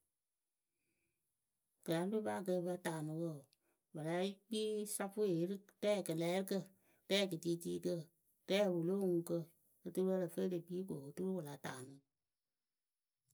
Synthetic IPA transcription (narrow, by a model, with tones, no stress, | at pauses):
kə˨la˨˦u˦ba˦˨k̬ə˧bə˧˦taː˨nũ˨˦wə˦˨ | bə˨la˨˦k͡piː˦sa˦fu˦e˨˦ɾɨ˦tɛː˦˨kə˨lɛː˨˦ɾɨ˦kə˦˨ | tɛː˦˨kɨ˨tiː˦tiː˦kə˦ | tɛː˦˨wo˨loː˦ŋũ˧kə˧ | ɨ˧tɨ˧bə˦˧lə˨fə˦i˦dɨ˨k͡piː˦ɡo˨tɨ˦ɾwə˨la˨ta̰ː˨nɨ̃˨˦